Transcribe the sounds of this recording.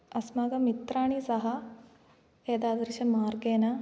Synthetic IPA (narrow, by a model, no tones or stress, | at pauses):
ɐsmaːɡɐmit̪ɾaːɳisɐɦɐ | eːd̪aːd̪ɐɾɕɐmaːrɡeːnɐ